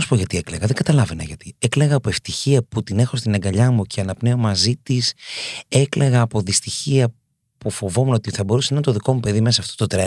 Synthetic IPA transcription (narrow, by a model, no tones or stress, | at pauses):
ɐsu̥po̞ʝɐt̪iekle̞ɣɐðeŋɡɐt̪ɐlɐvenɐ̰ʝɐt̪ie̞kle̞ɣɐːpoeft̪içiɐput̪ine̞xo̞st̪ineŋɡɐʎɐmuce̞ɐnɐpne̞o̞mɐzit̪ise̞kle̞ɣɐːpo̞ðist̪içiɐ | pufo̞vo̞munot̪iθɐbo̞ɾusenɐnt̪oðiko̞mupe̞ðime̞sɐsɐːft̪o̞t̪ot̪ɾe